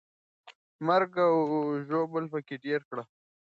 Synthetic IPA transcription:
məɾɡaʒoːbəlpəkeɖeɾkɽa

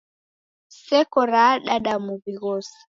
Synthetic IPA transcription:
sɛkɔɾaɗaɗamuβiɣɔsḁ

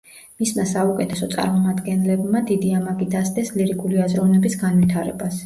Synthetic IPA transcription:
mismasaukʼɛt̪ʰɛsɔt̪sʼa̰ɾmɔmad̪ɡɛnlɛbmad̪id̪iamaɡid̪asd̪ɛsliɾikʼuliazɾɔvnɛbisɡanvit̪ʰaɾɛ̰bas

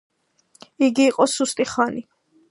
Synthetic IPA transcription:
iɡiːqʼɔsust̪ʼiχani

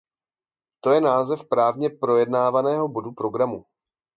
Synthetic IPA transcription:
t̪o̞jɛnaːzɛfpɾaːvɲɛpɾo̞jɛdnaːvanɛːɦo̞bo̞dupɾo̞ɡɾamu

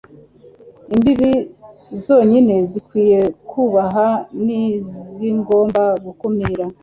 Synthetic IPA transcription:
imbiβizo̞ːɲine̞zikwiːje̞kuβaɦaniziŋɡo̞ːmbaɡukumiɾa

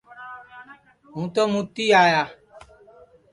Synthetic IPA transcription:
ũt̪ɔmũt̪ijaja

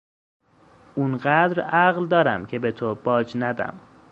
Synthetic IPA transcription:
ʔunɢæd̪ɾæɣld̪ɒːɾæmcʰe̞be̞t̪ʰob̥ɒːd͡ʒnæd̪æ̰m

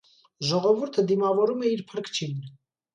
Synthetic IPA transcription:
ʒɔʁɔvuɾt̪ʰəd̪imɑvɔɾumɛiɾpʰəɾkʰt͡ʃʰin

